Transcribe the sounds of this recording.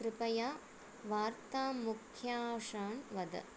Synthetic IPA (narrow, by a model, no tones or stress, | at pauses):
ɾɪpɐjaː | ʋaːɾt̪aːmʊkʰjaːʂaːnʋɐd̪ɐ̰